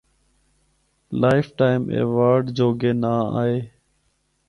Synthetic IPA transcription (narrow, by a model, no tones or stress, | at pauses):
laːɪfʈaːɪmʔḛːʋaːɾɖd͡ʒoːɡeːnaːa̰ːɦeː